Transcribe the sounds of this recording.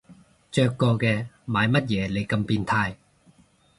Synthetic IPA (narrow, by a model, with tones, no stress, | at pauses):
t͡ʃœː˧kːɔː˧kɛː˧maː˨˧jmɐ˥t̚jɛː˨˧le˨˧jkɐ˧mpiː˧nt̪ʰaː˧j